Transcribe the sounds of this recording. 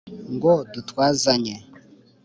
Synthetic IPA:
ŋɡɔdutʰwazaɲɛ

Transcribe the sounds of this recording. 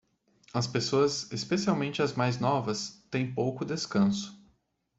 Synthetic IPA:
ɐspesoɐzespesiawmẽnt͡ʃɪɐzmajznɔvɐst̪ẽj̃powkʊd̪eskɐ̃sʊ̥

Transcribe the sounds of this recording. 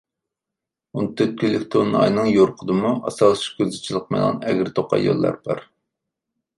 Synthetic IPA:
unt̪ʰøt̪̚kʲylːɪkʲt̪ʰounɑjnɨŋjoɾqʰəd̪ɨmuʔɑsɑlˠʃy̥kʲøzɪt͡ʃʰilˠəq̚mɨ̰lʁɑ̰nɛɡʲɾt̪ʰoqːɑ̰jo̰lˠːɑ̰ɾbɑ̰ɾ

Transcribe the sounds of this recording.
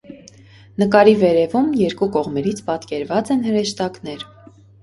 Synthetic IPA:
nəkɑɾivɛɾɛvumjɛɾkukɔʁmɛɾit͡sʰpɑt̪kɛɾvɑt͡sɛnhəɾɛʃt̪ɑknɛɾ

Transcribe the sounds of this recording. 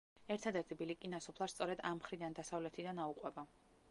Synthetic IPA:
ɛɾt̪ʰad̪ɛɾt̪ʰibilikʼinasɔpʰlˠast̪sʼɔɾɛd̪amːχɾid̪and̪asavlɛt̪ʰid̪anauqʼwɛba

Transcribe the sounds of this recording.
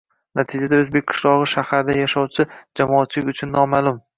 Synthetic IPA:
nat̪ʰɪd͡ʒad̪aɵzbe̞k̚ʲqʰɨ̥ʃlˠɒʁɨʃahaɾd̪ajaʃɒwt͡ʃʰɪd͡ʒamɒːt̪̚t͡ʃʰɪlɪkʲʊt͡ʃʰʊnːɒmaːlˠʊm

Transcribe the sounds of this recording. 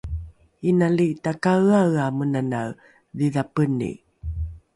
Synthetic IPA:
inalitakawawamənanaw | ðiðapənḭ

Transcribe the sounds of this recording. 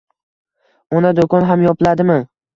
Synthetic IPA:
ʊnad̪okɒnɦamjɒplad̪ɪmɪ

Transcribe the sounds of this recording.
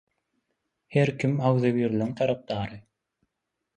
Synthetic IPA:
heɾkʰimɑɣðɑβiːɾliŋt̪ʰɑɾɑp̚d̪ɑːɾɯ

